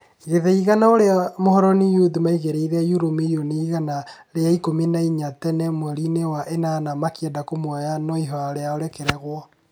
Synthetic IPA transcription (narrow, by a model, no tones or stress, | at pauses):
iɣeðɛiɣanaoɾeamohɔɾɔnijudimaiɣeɾeiɾɛjuɾomejoneiɣanaɾeaikominaiɲatɛnɛmwɛɾinewaʔenaːnamakiɛdakomwɔjanɔiɦɔaɾeaoɾɛkeɾɛɣwɔ